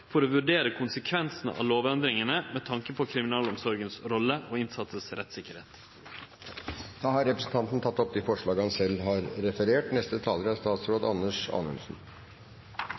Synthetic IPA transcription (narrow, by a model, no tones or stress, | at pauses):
fɔɾoːʋʉɖeːɾəkʰʊnsəkʰʋɛnsn̩ə̰ʔɑ̰ːloːʋɛnd̪ɾɪŋənəmɛt̪ʰɑŋkəpʰɔkʰɾɪmɪnɑːlɔmsɔɾɡənsɾɔlːəʔoːɪnsɑt̪səsɾɛ̰t̪sɪkəɾhḛːt̪ | d̪̥ɑːhɑɾɛpɾəsn̩t̪ɑnt̪n̩t̪ʰɑt̪ːɔp̚d̪ɪfɔʂɭɑːɡəhɑnsɛlːɦɑɾɾɛfəɾeːʈnɛst̪ət̪ʰɑːləɾɑst̪ɑːt̪sɾoːd̪ɑ̰nːəʂɑ̰ːnʉ̰nsn̩